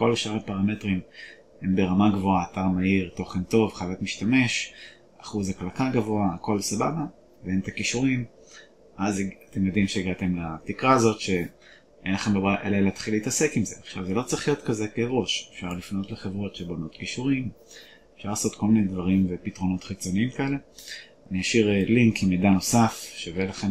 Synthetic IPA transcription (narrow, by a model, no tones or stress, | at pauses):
ko̞lʃaʁepaʁame̞tʁim | hembe̞ʁamaɡvoaːtaʁmaiʁto̞χento̞vχalatmiʃtame̞ʃ | aχuzaklakaɡavo̞aːko̞lsababa | veent̪akiʃuʁim | azate̞mjod̪imʃeiɡat̪e̞mlatikʁaːzo̞tʃe̞ | enlaχe̞mlobaʔeleleat̪χileitase̞kimze̞aχʃavzelo̞t͡sʁiχlijo̞t̪kaze̞keʁo̞ʃefʃaʁlifno̞tleχe̞vʁo̞tʃebo̞no̞t̪kiʃuʁim | efʃaʁlaːso̞t̪kʰo̞lminedvaʁimvepitʁo̞no̞t̪χit͡so̞niimkae̞le̞ | aniaʃiʁeliŋkimejdano̞safʃevelaχe